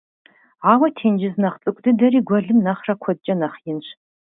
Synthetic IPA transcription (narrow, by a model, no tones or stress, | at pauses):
ʕaːwɐtʰeːnd͡ʒɪznɐχt͡sʼɨkʷʼdɨdɐriːɡʷɔɮɨmnɐχrɐkʷʰɔd̚t͡ʃʼɐnɐχjɪnɕ